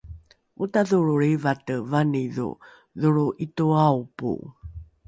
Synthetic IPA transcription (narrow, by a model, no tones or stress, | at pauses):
ʔutaðuɾuɾivatəvaniðṵ | ðuɾuʔituaupṵ